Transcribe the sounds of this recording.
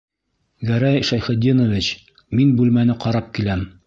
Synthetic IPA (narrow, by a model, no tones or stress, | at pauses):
ɡæɾæjʃæjχɘ̆d̪inŏvʲit͡ɕ | minbʉlmænɘqɑɾɑp̚kilæm